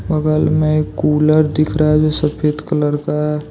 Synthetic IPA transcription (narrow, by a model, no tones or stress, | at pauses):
bəɡəlmẽkuːləɾd̪ɪkʰɾaɦɛd͡ʒosəpʰet̪kələɾkaɦɛ